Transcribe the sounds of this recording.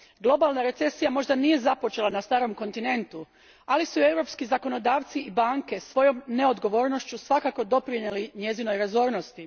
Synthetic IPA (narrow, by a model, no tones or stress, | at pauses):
ɡlˠo̞balˠnaɾe̞t̪se̞sijamo̞ʒd̪anije̞zapo̞t͡ʃe̞lˠanast̪aːɾo̞mko̞nt̪ine̞nt̪u | alisue̞wɾo̞pskizako̞no̞d̪aːʋt̪siibaːŋke̞sʋo̞jo̞mneo̞d̪ɡo̞ʋo̞ːɾno̞ʃt͡ɕusʋakako̞d̪o̞pɾiɲeliɲe̞zino̞jɾazo̞ːɾnost̪i